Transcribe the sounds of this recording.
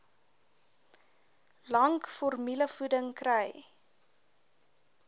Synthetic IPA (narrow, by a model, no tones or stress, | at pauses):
lɐŋkfɔrmiləfudəŋkrɛj